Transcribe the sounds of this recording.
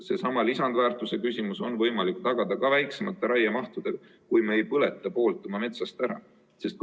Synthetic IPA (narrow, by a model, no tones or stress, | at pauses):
se̞sɑmɑlisɑnd̪̥væːrt̪ːˑuse̞kysʲimuso̞nvɤjmɑlikt̪ɑɡ̥ɑd̪̥ɑkɑvæjksemɑt̪ːˑeɾɑjɑmɑht̪ud̪̥e̥ɑ | kujmeːjpɤle̞t̪ːˑɑpo̞ːlt̪ˑːomɑme̞t̪sɑst̪æɾɑ̰ | se̞st̪̚